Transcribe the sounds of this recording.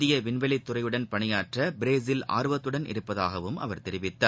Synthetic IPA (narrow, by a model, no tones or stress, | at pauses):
ðɪjɐʋɪnʋɐlɪt̪ːʊrɐjɯɽɐnpɐɳɪjaːʈrɐbɪɾeːs̬ɪla̰ːɾɯʋɐt̪ːɯɽɐnɪ̰ɾɯpːɐðaːɣɐʋɯmʔɐ̰ʋɐɾt̪ɛɾɪʋɪt̪ːɐː